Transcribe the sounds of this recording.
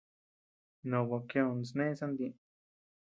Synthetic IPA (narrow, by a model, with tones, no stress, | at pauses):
nõ˨wa˨˧ke˦˧õ˧n˨snẽ˦sã˦nd̪ĩ˧